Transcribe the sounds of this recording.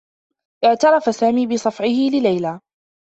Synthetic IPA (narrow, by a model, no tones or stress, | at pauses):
ʔɪʕt̪ɑɾˤɑfasaːmiːbɪsˤɑfʕɪhɪlɪlajlaː